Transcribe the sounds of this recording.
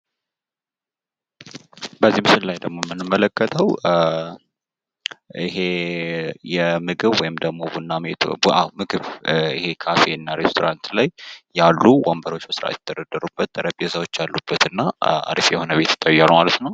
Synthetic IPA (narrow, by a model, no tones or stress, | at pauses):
bəzːimɨsɨllajd̪əɡmo̞mːɨnːɨmːələkːət̪ʰəw | ḭɦe | jɛmɨɡɨβwɔjɪmd̪əɡmo̞bunːamet̪ʔawmɨɡɨβɪ̰he̞kʰafe̞ɨnːaɾe̞st̪ʰo̞ɾant̪lajjːalːuwambəɾo̞t͡ʃːbəsɨɾa̰jɛt̪ət̪ʰːəd̪əd̪ːəɾubːət̪ːʼəɾəpʼjɛsəwo̞t͡ʃːalːub̥ːət̪ɨnːaa̰d̪ifjɛho̞nəβe̞t̪ɪ̥t̪ʼːəjːalumalət̪nəw